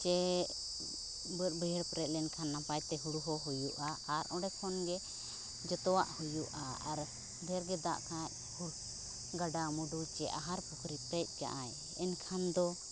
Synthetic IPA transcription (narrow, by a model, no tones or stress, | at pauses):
t͡ʃɛ | bəɾ̚bəjəɾpɾɛt̪̚ˀlɛnkʰanːapajt̪ɛɦuɽuɦɔɦujuʔaːɾɔ̃ɖɛkʰɔnɡɛ | d͡ʒɔt̪ɔwaʔhujuʔaaɾ | bjɾɡɛd̪a̰ʔkʰãt̚ | huɽ | ɡaɖamuɖut͡ʃɛʔaɦaɾpukʰɾipɾɛc̚ˀka̰ʔaj | ɛnkʰand̪ɔ